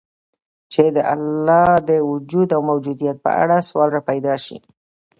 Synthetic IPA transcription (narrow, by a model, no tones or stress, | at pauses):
t͡ʃed̪əʔa̰lːɑd̪əwʊd͡ʒud̪awmawd͡ʒud̪ijat̪̚pə̰a̰ɽaswɑlɾapajd̪ɑʃḭ